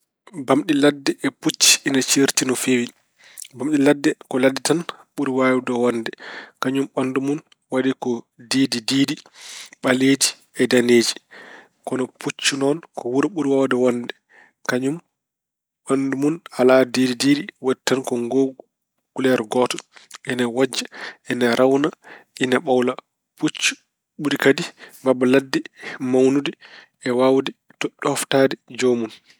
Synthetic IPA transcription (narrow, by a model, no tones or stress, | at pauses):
bamɗiladːɛʔɛput͡ʃːi̥ːnat͡ʃeɾtinɔfewi | bamɗiladːɛkɔladitanɓuɾiwajudɔwɔnːdɛkaɲumɓandumun | wadikɔ | deːdidiːdiɓaleːd͡ʒi | ɛdaneːd͡ʒi | kɔnɔput͡ʃːunɔnkɔwuɾɓuɾiwawdɛwɔndɛ | kaɲum | wanːdumunaladididiːɾiwɛtːankɔŋɡoːɡ | ɡ̥ulɛɾɡɔːtɔʔɛnawad͡ʒːaɛnaɾʔawnaʔinaɓawla | put͡ʃːu̥ | ɓuɾikadibabaladːimawnudi | ɛwawdɛ | tɔɗɔaftaːdid͡ʒomun